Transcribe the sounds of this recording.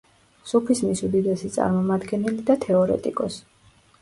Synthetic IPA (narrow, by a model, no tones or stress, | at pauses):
supʰismisud̪id̪ɛsit̪sʼa̰ɾmɔmad̪ɡɛnɛlid̪at̪ʰɛɔɾɛ̰t̪ʼḭkʼɔs